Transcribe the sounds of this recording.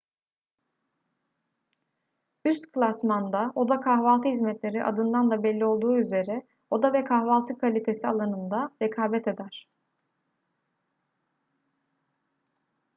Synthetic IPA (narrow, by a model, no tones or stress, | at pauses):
yst̪kʰlˠasmand̪ao̞d̪akʰahvalˠt̪ʰɯhizmɛt̪lʲe̞ɾiʔa̰d̪ɯnd̪and̪abɛlʲːio̞lˠd̪uːyze̞ɾɛ | o̞d̪avɛkʰaxvalˠt̪ʰɯkʰalʲit̪ʰe̞sialˠanɯnd̪aɾɛkʰaːbɛt̪ʰe̞d̪æɾ̥